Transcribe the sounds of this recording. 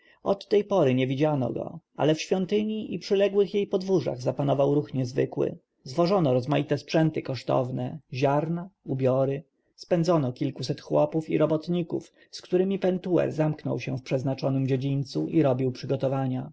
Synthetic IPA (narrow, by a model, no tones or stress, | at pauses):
ɔt̪ːɛjpɔɾɘɲɛvʲid͡ʑanɔ̰ɡɔ̰a̰lɛfɕfʲjɔnt̪ɘɲiʔipʂɘlɛɡwɘxjejpɔd̪vuʐa̰ɣzapanɔvawɾuxɲɛzvɘkwɘ̰ | zvɔʐɔnɔɾɔzmajit̪ɛspʂɛnt̪ɘkɔʂt̪ɔ̰vnɛʑaɾnaubʲjɔɾɘ | spɛnd̪ɔnɔkʲilkusɛt̪xwɔpufḭɾɔbɔt̪ɲikuf | skt̪uɾɘmʲipɛnt̪uɛ̰ɾzamknɔ̰wɕɛ̰fpʂɛznat͡ʂɔnɘmd͡ʑed͡ʑiɲʲt̪suʔiɾɔbʲiwpʂɘɡɔt̪ɔvaɲa